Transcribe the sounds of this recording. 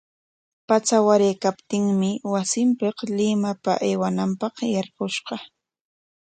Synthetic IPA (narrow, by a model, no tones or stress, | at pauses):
pat͡sawaɾejkapt̪ɪŋmɪwasɪmpeqlɪmapaʔejwanampɑqjɑɾɢʊʃɢɑ